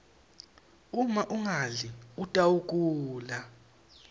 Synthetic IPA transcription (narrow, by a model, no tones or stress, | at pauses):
umaʔuŋaliutʼawukʼuːla